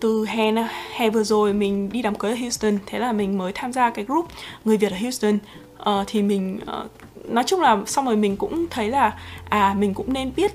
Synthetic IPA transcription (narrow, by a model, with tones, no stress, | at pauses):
t̪ɨ˨˩ɦɛ˧˩naː˧hɛ˧˩vɨ˨˩əzo˨˩jmï˨˩ŋ̟ɗi˧ɗaː˨˩mkəː˨˦jʔəː˧˩hji˧st̪ə˨˩nt̪ʰe˨˦laː˨˩mï˨˩ŋ̟məː˨˦jt̪ʰaː˧mzaː˧kaː˨˦jzu˦˥p̚ŋɨ˨˩əjvi˨˩tʔəː˨˩hji˧wst̪ə˧˩n | ʔəː˨˩t̪ʰi˨˩mï˨˩ŋ̟ʔəː˨˩ | nɔ˨˦jt͡ɕʊ˧ŋ͡mlaː˨˩sa˧wŋ͡mzo˨˩jmï˨˩ŋ̟kʊ̰˧˥ŋ͡mt̪ʰə˨˦jlaː˨˩ʔaː˨˩mï˨˩ŋ̟kʊ̰˧˥ŋ͡mne˧nɓi˦˥ət̚